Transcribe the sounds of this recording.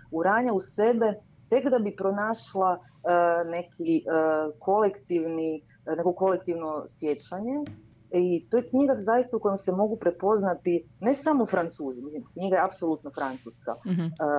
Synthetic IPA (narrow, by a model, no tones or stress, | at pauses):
uɾaːɲausebe̞ | t̪e̞kd̪abipɾonaːʃlˠa | ne̞kʰiəkʰo̞lekt̪iʋni | ne̞ko̞ko̞lekt̪iʋno̞sje̞t͡ɕaɲe̞ | it̪o̞jekɲiɡazajist̪auko̞jemsemo̞ɡupɾe̞po̞znat̪ine̞samoufɾant̪suːzimislimkɲiɡajeapsolut̪nofɾant̪suska̰